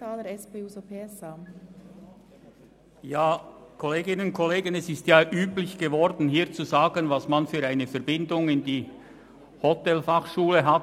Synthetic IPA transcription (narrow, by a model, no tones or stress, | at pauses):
aːləɾɛspeːuːzopʰeɛsa | jaːkʰoleːɡɪnənʊnkʰoleːɡənɛsɪstjaːʔyːplɪçɡ̥əvɔɾdn̩ɦiːɐt͡suzaːɡənvasmanfyːɾaɪnəfɛɐɾbɪndʊŋɪndiː | hotɛlfaχʃuːləɦat